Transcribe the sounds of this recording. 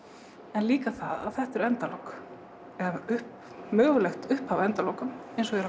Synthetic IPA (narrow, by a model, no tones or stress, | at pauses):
ɛnliːkaθaða̰ðθɛht̪ɛɾɛnt̪alowk | ɛvʏhp | mœːɣʏlɛxt̪ʏhphavɛnt̪alowkʏmejnsɔɣɛɾ